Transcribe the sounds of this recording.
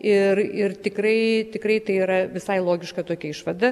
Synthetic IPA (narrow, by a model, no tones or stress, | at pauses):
ɪrɪrt̪ʲɪkrɐɪt̪ʲɪkɾɐɪt̪ɐɪiɾɐʋʲɪsɐɪlˠoːɡʲɪʃkɐt̪oːkʲɛɪʃʋɐd̪ɐ